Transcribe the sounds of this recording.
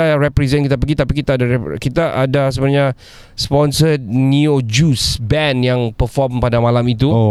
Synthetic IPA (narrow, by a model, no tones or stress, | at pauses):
aɾɛpɾɛzɛnkit̪apəɡit̪apikit̪aːdaɾɛkit̪aʔadasəbənaɲa | spɔnsət̪̚niod͡ʒusbɛnjaŋpəfɔmpadamãlamit̪uo